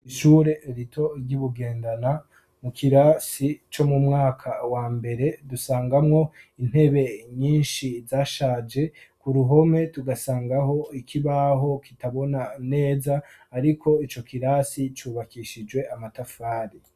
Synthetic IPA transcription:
iʃuːɾe̞ɾitʰo̞ɾɟuβuɡe̞ːndana | mukʰiɾasit͡ʃo̞mumŋaːkʰawaːmbe̞ɾe̞dusaːŋɡamŋo̞in̥e̞βe̞ɲiːnʃizaːʃaːd͡ʒe̞kuɾuɦo̞me̞tuɡasaːŋɡaho̞ikʰiβaɦo̞kitaβo̞nane̞ːzaː | ɾikʰo̞it͡ʃo̞kiɾaːsit͡ʃuːβakiʃid͡ʒwe̞amatafaːɾi

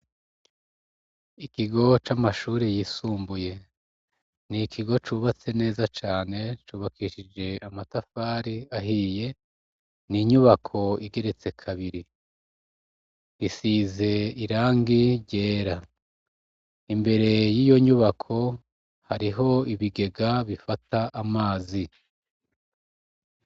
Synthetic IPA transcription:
ikiɡo̞t͡ʃamaʃuːɾejiːsuːmbuje̞ | nikʰiɡo̞t͡ʃuːβat͡se̞ne̞ːzat͡ʃaːne̞t͡ʃuːβakʰiʃid͡ʒe̞amatafaːɾiaɦiːje̞ | niɲuβakʰo̞iɡe̞ɾe̞t͡se̞kʰaβiɾi | isize̞iɾaːŋɡiɾɟe̞ːɾa | imbe̞ɾe̞jiːjo̞ɲuβakʰo̞ | haɾiɦo̞iβiɡe̞ɡaβifataʔamaːzi

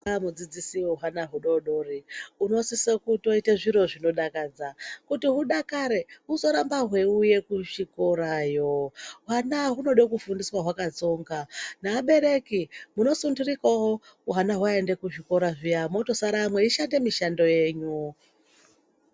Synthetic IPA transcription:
mud͡zid͡zisiɦanaɦuɗoɗo̞riuno̞sisokuto̞iteʐiɾo̞ʐino̞ɗakad͡zakutiɦuɗakaɾe̞uzo̞ɾambaɦwe̞uje̞kuʃiko̞ɾajo̞uɦanaɦuno̞ɗokufundiswaɦwakad͡zo̞ːŋɡanaːɓe̞ɾe̞kimuno̞sundurikaɦo | uɦanaɦwaendekuʐiko̞ɾaʐijamo̞to̞saɾamwe̞iʃande̞miʃando̞je̞ːɲu

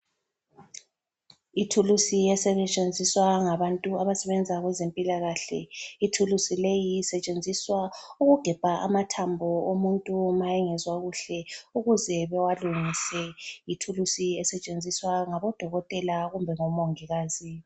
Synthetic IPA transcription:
itʰulusiɛsɛβɛt͡ʃʼend͡zʱiswaŋaβantʼuaβasɛβɛnd͡zʱaɣwɛzempʼilaɣaɬɛ̰itʰulusilejiːsɛt͡ʃʼend͡zʱiswauɣuɡ̥ʱɛb̥ʱaʔamatʰambʱɔomuntʼumajɛŋɛzwaɣuɬɛuɣuzɛβɛwaluŋisɛjitʰulusiɛsɛt͡ʃʼend͡zʱiswaŋaβɔd̥ʱɔɣɔtʼɛlaɣumbʱɛŋɔmoŋiɣaːzi

